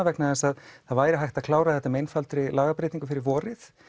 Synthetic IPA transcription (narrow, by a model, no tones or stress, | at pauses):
avɛknaðɛsaðθaðvaːjɾɪɦajht̪aðkʰlaːwɾaθɛht̪ːamejnfalt̪ɾɪlaːɣapɾejt̪iŋkʏfɪɾɪɾvɔːɾɪθ